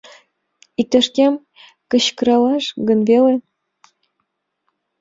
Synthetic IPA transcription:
ik̚t̪ɘ̆ʂkʲem | kɤ̆ɕkɤ̆ɾɑlɑʂɡɤ̆nvʲelĕ

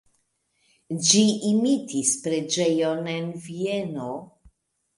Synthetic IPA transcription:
d͡ʒiimitispɾe̞d͡ʒe̞jonenvieno

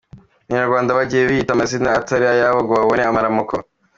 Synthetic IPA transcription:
aɲaɾɡwaːndaβaɟijeβihitamasinaːtaɾiajaβoɡoβaβoneamaɾamukʰo̰

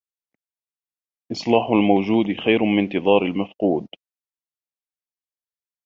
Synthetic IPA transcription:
ʔɪsˤlɑːħʊlmawd͡ʒuːd̪xajɾʊmɪnt̪ɨðˤɑːɾɪlmafquːd̪

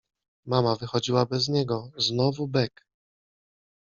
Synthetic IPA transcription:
mamavɘxɔd͡ʑiwabɛzɲɛɡɔznɔvubɛk

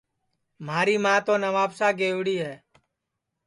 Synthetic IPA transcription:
m̤aːɾiːmãːt̪oːnəʋaːpsaːɡeːʋɽiːɦɛː

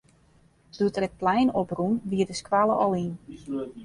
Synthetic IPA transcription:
d̥utrət̚plɛjnoprumʋiədəskwalˠəʔɔlˠin

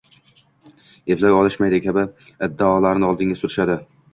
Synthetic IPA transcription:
eplajɒlˠɪʃmajd̪ɪkʲʰabɪ | ɪd̪ːaɒlaɾnɪɒlˠd̪ɪŋɡʲasʊɾɪʃad̪ɪ

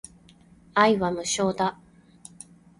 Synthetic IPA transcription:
aiβamɯ̟ɕo̞ːd̪a

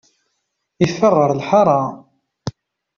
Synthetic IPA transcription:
ifːərˤːəɾˤlħɑɾˤɑ

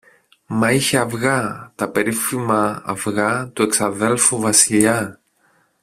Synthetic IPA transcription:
mɐiçeɐvɣɐt̪ɐpe̞ɾifimɐɐ̰vɣɐt̪ue̞ksɐðe̞lfuvɐsiʎɐ

